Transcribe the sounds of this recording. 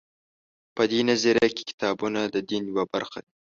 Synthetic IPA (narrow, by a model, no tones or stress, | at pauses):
pəd̪enaziɾjake̥kɪ̥t̪ɑbunad̪əd̪injwabaɾxad̪i